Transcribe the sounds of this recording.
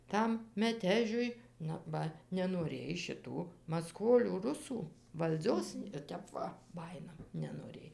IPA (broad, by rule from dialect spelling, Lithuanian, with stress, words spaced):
ˈtɐm mʲɛˈtʲæːʒʲʊɪ ˈnʊ ˈbɐ nʲɛnoːˈrʲeːj ʃʲɪˈtuː mɐˈskoːlʲuː ˈrʊsuː ʋɐlʲˈd͡zʲoːs ɪ ˈtʲɛp ʋɐ ˈbɑːjɪnɐ nʲɛnoːˈrʲeːj